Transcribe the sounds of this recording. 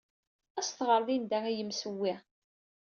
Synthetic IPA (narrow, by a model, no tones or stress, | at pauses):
æsθʁəɾˤðind̪æŋæjəmsəwːi